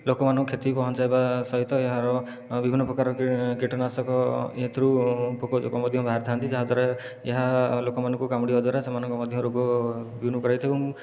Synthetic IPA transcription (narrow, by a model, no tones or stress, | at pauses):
lokɔmanɔŋkɔkʰet̪ipɔɦɔnt͡ʃajbasɔɦit̪ɔeɦaɾɔ | bibʱinːɔpɾɔkaɾɔkkiʈɔnasɔkɔet̪ʰɾupokɔd͡ʒo̰kɔmɔd̪ʱjɔmbʱaɦaɾt̪ʰant̪id͡ʒaɦad̪ʱɔɾe | eɦalokɔmanɔŋkukamɽiɔd̪ʱɔɾesemanɔŋkɔmɔd̪ʱjɔmɾoɡɔbunukɔɾajt̪ʰibum